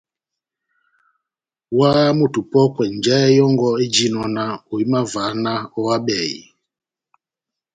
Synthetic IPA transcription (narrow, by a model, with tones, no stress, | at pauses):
wa˦mu˨tu˨pɔ˦pwɛ˨n˨d͡ʒɛ˦ɛ˦jɔ˦ŋɡɔ˦e˦d͡ʒi˦nɔ˨na˨o˨i˦ma˦va˨˦na˦ɔ˦wa˦ɓɛ˨ḭ˨